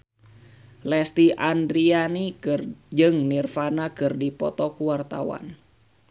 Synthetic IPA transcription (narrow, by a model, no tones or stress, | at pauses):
lɛst̪iʔandɾianid͡ʒɨŋnirfanakɨrdipɔ̰t̪ɔkuwart̪awa̰n